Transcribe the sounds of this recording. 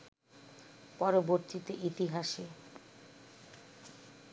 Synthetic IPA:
pɔɾoboɾt̪it̪eʔit̪iɦaʃe

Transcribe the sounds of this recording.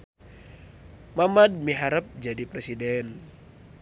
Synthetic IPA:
mamad̚miɦaɾəp̚d͡ʒadipɾɛsidɛn

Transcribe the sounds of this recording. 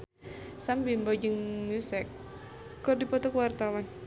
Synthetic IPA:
sambimbɔd͡ʒəŋusɛk | kːɔrdipɔt̪ɔkwart̪awan

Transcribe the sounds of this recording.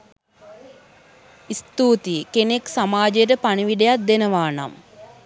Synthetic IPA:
ist̪uːt̪ikeneksamaːd͡ʒejəʈ̬əpaniʋiɖejat̪̚d̪enəʋaːna̰m

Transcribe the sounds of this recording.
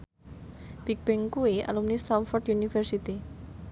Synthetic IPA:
b̥ik̚b̥ɪŋkuia̰lumnist̪amfɔrt̪junifɛrsit̪i

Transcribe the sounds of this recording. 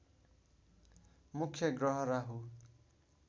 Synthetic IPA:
mukʰːjʌɡɾʌɦʌɾaɦu

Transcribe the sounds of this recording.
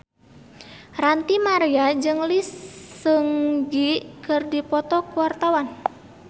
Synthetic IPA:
rant̪imaɾiad͡ʒɨŋlisəŋɡikɨrdipɔt̪ɔkuwart̪awan

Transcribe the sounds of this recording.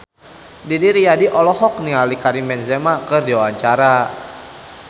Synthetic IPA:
didiɾijadiʔɔlɔɦɔk̚nialikaɾimɛnzɛmakərdiwawaɲt͡ʃaɾa

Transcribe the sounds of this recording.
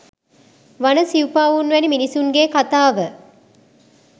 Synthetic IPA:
ʋanəsiupaːʋunʋæniminisuŋɡeːkat̪aːʋə

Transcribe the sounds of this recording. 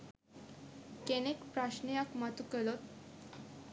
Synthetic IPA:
kenekpɾaɕnijakmat̪ukəlot̪

